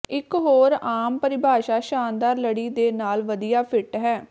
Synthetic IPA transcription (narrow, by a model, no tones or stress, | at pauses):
ɪkɦoːɾaːmpəɾɪbʱaːʃaːʃaːnd̪aːɾləɽiːd̪eːnaːlʋəd̪ijaːpʰɪʈɦɛː